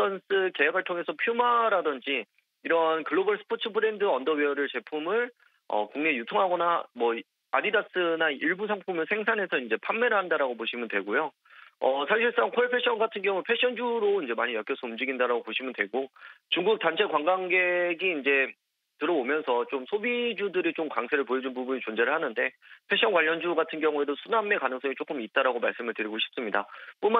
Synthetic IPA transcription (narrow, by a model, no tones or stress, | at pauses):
tʌns͈ɯke̞jaɡɯɭtʰoŋe̞sʰʌpʰjumaɾadʌnd͡ʑi | iɾʌnkɯɭːobʌɭsʰɯ̥pʰot͡ɕʰɯbʰɯɾe̞ndɯʌndʌɥiʌɾɯɭt͡ɕe̞pʰumɯɭ | ʌ̰koŋne̞jutʰoŋɦaɡʌnamwʌ | aɾidas͈ɯnaiɭbusʰaŋpʰumɯɭsʰeŋsʰane̞sʰʌind͡ʑe̞pʰammːe̞ɾɯɭɦandaɾaɡopoɕʰimɯntwe̞ɡojo | ʌsʰaŋɕʰiɭs͈aŋkʰoɭpʰeɕ͈ʰʌnɡatʰɯnɡjʌŋuɭpʰe̞ɕ͈ʰʌnd͡ʑuɾoind͡ʑe̞maɲijʌk͈jʌs͈ʰʌumd͡ʑiɡindaɾaɡopoɕʰimɯntwe̞ɡot͡ɕuŋɡuk̚t͈ant͡ɕʰe̞kwaŋɡaŋɡe̞ɡiːnd͡ʑe̞ | tɯɾʌomjʌnsʰʌt͡ɕomsʰobid͡ʑudɯɾit͡ɕomkaŋsʰeɾɯɭpojʌd͡ʑunbubuɲit͡ɕond͡ʑe̞ɾɯɭhanɯnde̞pʰe̞ɕ͈ʰʌnkwaʎːʌnd͡ʑuɡatʰɯnɡjʌŋue̞dosʰuname̞kanɯŋs͈ʌŋit͡ɕ͈ok͈ɯmit̚t͈aɾaɡomaɭs͈ɯmɯɭtɯɾiɡoɕʰi̥p̚s͈ɯmɲida̰p͈oma